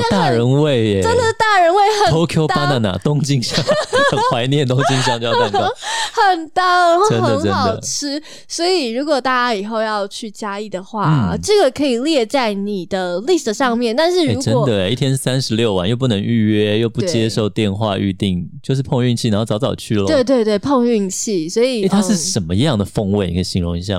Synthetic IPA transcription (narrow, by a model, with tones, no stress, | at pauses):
t̪a˥˩˨ɻə˧˦nwe˥˩ɪ˩ʈ͡ʂə˥nd̪ə˨t̪a˥˩ɻə˧˥nwe˥˩ɪxə˨˩o˥ʊkʰjo˥ʊa˥ŋd̪ə˨˩na̰˨˧t̪ʊ˥ŋt͡ɕi˥˧ŋɕjɑ˥˨ŋʰ˥˩wa˧˥ɪnjɛ˥˨nt̪ʊ˥ŋt͡ɕi˥˧ŋɕ̬jɑ˥˧ŋt͡ɕo˥˧˥a˥˩n˩xə˨˩nt̪ɑ˥˩ə˦nxəd̪ə˨˥nə˦ɑn˨˩d̪əʊ̰˧˨ʈ͡ʂʰɻ̩˥ | swɔ˧˥i˨˩ɻu˧˥kwɔ˨˩t̪a˥˧t͡ɕa˦˥i˨˩xo˥˧ʊjɑ˥˧ʊt͡ɕʰy˥˩t͡ɕja˥i˥˩d̪ə˩xwa˥n̩̰˥˩ʈ͡ʂɤ˥˩ɡə˩kʰɤ˧˥i˨˩ljɛ˥˧t͡sa˥˩ɪni˨˩d̪ə˦li˥˩ʂ̩˨˩ʂɑ˥˧ŋmjɛ˥˩˧nt̪a˥˧nʂɻ̩˥˩ɻe˥˩u˧˥ʈ͡ʂə˦wɔɔ˨˩d̪ə˨˩i˥t̪ʰjɛ˥nʂ̩˥˩sæ˦nʂɻ̩˧˥ljo˥˧ʊwa̰˥˧njo˥˧ʊp̬u˥˩nə˧˥ŋy˥˧ɥɛ˥jo˥˧ʊpu˥t͡ɕjɛ˥ʂo˥˧˩ʊt̪jɛ˥˧nxwa̰˥˧y̰˥˧t̪i˥˨˩ŋt͡ɕt͡ɕjo˥˧ʊʂ̬̩˥˩pʰo˥˧ŋy˥˧ŋt͡ɕʰi˥˩˨n˥o˥˩t͡sɑ˧˥ʊt͡sɑ˨˩ʊt͡ɕʰy˥˩lə˦t̪we˥˧ɪt̪we˥˧ɪt̪we˥˩ɪpʰɤ˥˧ŋy˥˧ŋt͡ɕʰi˥˩swɔ˧˥i˨e˥˩tʰa˥ʂɻ̩˥˩ʂə˧˥nmə˦i˧˥jɑ˥˩ŋd̪ə˩fɤ˥˧ŋwe˥˩ɪnḭ˨˥ɡə˧˩ɕi˧˥ŋɻʊ˧˥ŋi˧˥ɕ̬ja̰˥˩